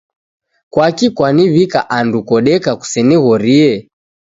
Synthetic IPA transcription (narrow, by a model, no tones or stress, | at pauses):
kwakikwaniβikaʔandukɔɗɛkaku̥sɛniɣɔɾiɛ